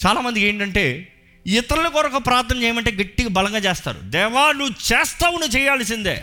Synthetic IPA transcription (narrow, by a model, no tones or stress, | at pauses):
t͡ʃaːlaːmɐnd̪ikeːɳʈɐɳʈe̞ː | it̪ɐɾulɐkɔɾɐkɐpɾaːɾt̪ːɐnɐt͡ʃɛːjɐmɐɳʈe̞ːɡɐʈːiɡɐbɐlɐŋɡaːt͡ʃeːst̪a̰ːɾṵd̪ɛːʋaːnut͡ʃɛːst̪aːwunit͡ʃɛːjaːls̬ind̪ḛː